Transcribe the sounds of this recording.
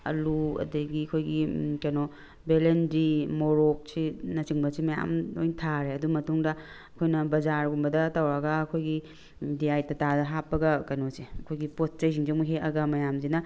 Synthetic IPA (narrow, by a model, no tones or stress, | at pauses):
ɐ̰luɐ̰dɐɡiɐkʰojɡikɐjno | belendimoɾok̚sinɐt͡ʃiŋbɐsimɐja̰mojntʰaɾeɐdumɐtuŋdɐ | ɐkʰojnɐbɐzaɾɡumbɐdɐtɐwɾɐɡɐːkʰojɡi | diajtɐtadɐɦapːɐɡɐkɐjnoseɐkʰojɡipot̚t͡ʃɐjs̬ʰiŋd͡ʒimuɦeɐɡɐmɐjamzinɐ